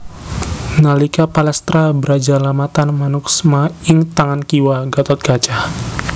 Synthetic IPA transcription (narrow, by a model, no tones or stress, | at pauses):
nalikapalɛst̪ɾabəɾad͡ʒalamat̪anmanuksmaɪŋt̪aŋankiwaɡat̪ɔt̪̚ɡ̥at͡ʃah